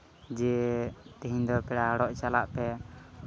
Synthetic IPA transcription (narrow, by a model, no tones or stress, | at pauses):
d͡ʒɛt̪iɦĩɲd̪ɔpɛɽaɽɔʔt͡ʃalaʔpɛ